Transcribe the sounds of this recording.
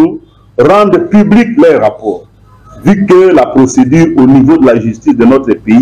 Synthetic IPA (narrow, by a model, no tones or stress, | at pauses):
ʁɑ̃nd̪ʁpybliklœʁapɔːʁ | vykəlapʁosed̪yːʁonivod̪əlaʒyst̪isd̪ənɔt̪χəpei